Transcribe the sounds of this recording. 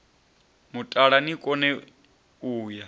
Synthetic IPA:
mutʼaɺanikʼɔnɛ | uːja

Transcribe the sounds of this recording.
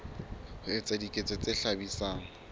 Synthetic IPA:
hʊɪt͡sʼadikʼet͡sʼɛt͡sʼɪɬabisaːŋ̩

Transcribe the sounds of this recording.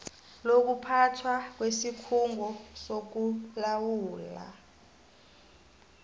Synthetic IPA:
lok̬upʰatʰwak̬wesikʰuŋɡʱɔsok̬ulawuːla̰

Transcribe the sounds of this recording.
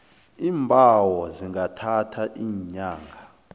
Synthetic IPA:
iːmbʱawɔziŋɡʱatʰatʰaʔiːɲaːŋɡʱa

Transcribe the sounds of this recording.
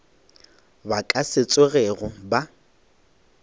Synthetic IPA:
bakʼaset͡sʼeɣɛɣʊba

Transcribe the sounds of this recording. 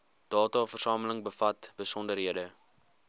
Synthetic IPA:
d̥ɑːtɑfərsɑːmələŋbəfɐtbəsɔndəɾɦiədə

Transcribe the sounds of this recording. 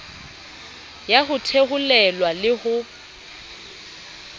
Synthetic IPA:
jaɦʊtʰeɣʊlɛlwalɪhʊ

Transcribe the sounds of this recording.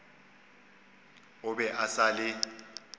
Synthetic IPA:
ʊɓɛʔasalɪ

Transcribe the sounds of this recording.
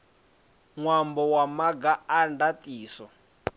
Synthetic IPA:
ŋwambɔwamaɡaandatʼiːsɔ

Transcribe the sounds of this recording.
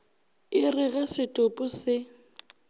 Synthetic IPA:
ɪrɪɣasɪtʼʊpʼʊsɪ

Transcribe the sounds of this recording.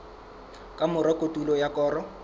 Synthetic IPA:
kʼamʊɾɔkʼotʼulɔjakʼɔːrɔ

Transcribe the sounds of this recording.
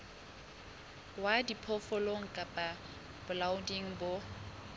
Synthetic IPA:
wadipʰɔfɔloŋ̩kʼapʼa | b̥ʊlaʊdiŋ̩bo

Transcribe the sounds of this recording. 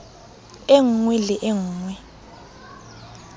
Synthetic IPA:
eŋuŋwɛlɪʔeŋuːŋwɛ

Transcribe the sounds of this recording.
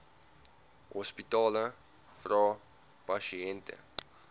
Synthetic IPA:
hɔspitɑːlə | frɑː | pɐʃiɛntə̰

